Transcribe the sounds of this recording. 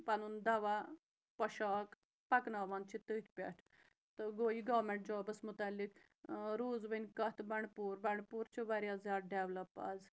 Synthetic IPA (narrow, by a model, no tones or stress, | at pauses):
pɐnund̪ɐʋa | pɐʃaːk | pɐknaːʋaːnd̪t͡ʃʰit̪əːt̪ʲʰpʲḛʈʰ | t̪ɨɡoːiɡɐːmeɳʈ̚d͡ʒɔːbəsmʊt̪alːik | ɾuːzʋənʲkɐt̪bɐɳɖpuːɾbɐɳpuːɾt͡ʃʰiʋaɾjaːzjaːd̪̚ɖeʋlɐpːa̰z